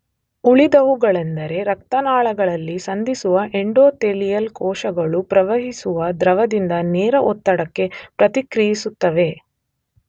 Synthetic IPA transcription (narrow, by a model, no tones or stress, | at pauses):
uɭid̪ɐʋuɡɐɭend̪ɐɾe̞ɾɐk̚t̪ɐnaːɭɐɡɐɭɐlːisɐnd̪isuʋɐʔeɳɖoːt̪elijɐlkɔːʃɐɡɐɭupɾɐʋɐɦisuʋɐd̪ɾɐʋɐd̪ind̪ɐnɛːɾɐʔɔt̪ːɐɽɐkːe̞pɾɐt̪ikɾijisut̪ːɐʋe̞